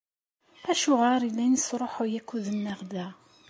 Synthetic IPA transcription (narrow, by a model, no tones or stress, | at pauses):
æʃʊʁaɾilːænəsɾˤoħojækʷːuðənːæʁd̪æ